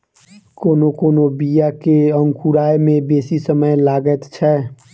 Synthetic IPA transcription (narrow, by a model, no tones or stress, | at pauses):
koːnokoːnobijakeə̃ŋkʰuɾaːjmẽbeːsisəməjlaːɡət̪t͡ʃʰɛː